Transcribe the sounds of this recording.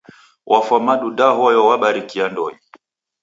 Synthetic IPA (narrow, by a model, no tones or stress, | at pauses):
wʔafamaɗudaɦɔjɔwaɓaɾikiandɔi